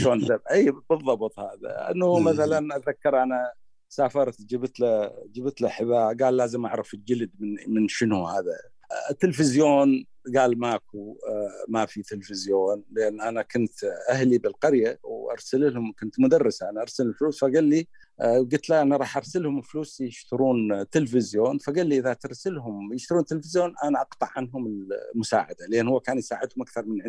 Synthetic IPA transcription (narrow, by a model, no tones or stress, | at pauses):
ʃoːnabʔiːbɨðˤːɑbɨt̪ˤhaːða̰lʔa̰nːʊmaθalanʔaðakːɑɾˤʔana | saːfɑɾˤt̪d͡ʒibt̪lad͡ʒiːbɪt̪laħɪbaːɡaːlːaːzɪmʔaʕɾˤɪfɪld͡ʒɪld̪mɪnmɪnʃɪnuhaːða̰ | t̪ːɪlfɪzjoːn | ɡaːlmaːkumafit̪ɪlfɪzjoːnlɪʔanːʔanakʊnt̪ʔahlibɪlqɑɾjawʔɑ̰ɾˤsalɪlhʊmkʊnt̪mʊd̪ɑrˤːɪsaʔanaʔɑɾˤsalɪlfluːsfaɡalːi | ʔɡʊt̪laʔanaɾˤɑːħʔɑɾˤsalhʊmɪlfluːsjɪʃt̪ɑɾuːnt̪ɪlfɪzjoːnfaɡalːiʔɪðat̪ɪɾˤsɪlɦʊmjɪʃt̪ɑɾˤuːnt̪ːɪlfɪzjoːnʔanaʔɑqt̪ˤɑʕːanɦʊmɪlmʊsa̰ːʕa̰d̪alʔeːnhuwːakaːnjsaːʕɪd̪hʊmʔakθɑɾˤmɪnʕ